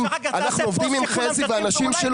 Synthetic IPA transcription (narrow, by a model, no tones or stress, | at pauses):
manaχnuovd̪imimχeziveanaʃimʃel